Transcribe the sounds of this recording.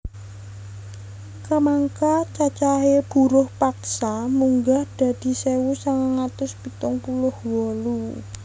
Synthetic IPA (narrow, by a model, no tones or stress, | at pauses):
kəmaŋkat͡ʃat͡ʃaɦeb̥ṳɾʊhpaksamuŋɡahd̪̥a̤d̪̥i̤sewusaŋəŋat̪ʊspit̪ʊŋpulʊhwɔlu